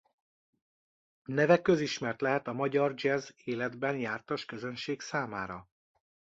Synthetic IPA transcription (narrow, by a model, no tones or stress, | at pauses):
nɛvɛkːøziʃmɛrt̪lɛɦɛt̪ɒmɒɟɒrd͡ʒɛzeːlɛd̪bɛnjaːrt̪ɒʃkøzø̞nʃeːksaːmaːɾɒ